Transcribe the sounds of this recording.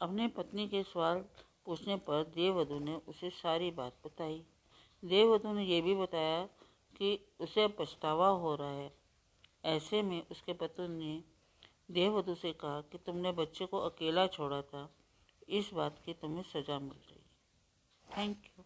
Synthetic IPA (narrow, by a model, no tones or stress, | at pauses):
ɐpnepɐt̪nikesɐʋaːl | puːt͡ʃʰnepɐɾd̪eːʋəd̪ʱuneʔʊsesaːɾiba̰ːt̪̚bɐt̪aːi | d̪eːʋəd̪ʱunejebʱibɐt̪aːja | ki | ʊsepɐst̪aːʋaɦoɾaaɦɛː | ɛːsemẽʔʊskepɐt̪ne | d̪eːʋəd̪ʱusekɐɦakit̪ʊmnebɐtːʃekoʔɐkeːlat͡ʃʰoːɽat̪ʰa | ɪsbaːt̪kit̪ʊmɦẽsɐd͡ʒamɪ̰lɾɐ̰ɦḭ | t̪ʰɛ̃ːŋkjuː